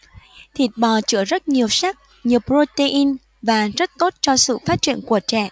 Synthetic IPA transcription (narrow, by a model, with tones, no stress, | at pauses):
t̪ʰi˨˩ət̚ɓɔ˨˩t͡ɕɨ̰˧˥əzə˦˥t̚ɲi˨˩əwsa˦˥k̚ | ɲi˨˩əwpɾo˧t̪e˧ʔi˧n | vaː˨˩zə˦˥t̚t̪o˦˥t̚t͡ɕɔ˧sɨ̰˧˨faː˦˥t̚t͡ɕḭ˧˨ənku˧˩ət͡ɕɛ̰˧˨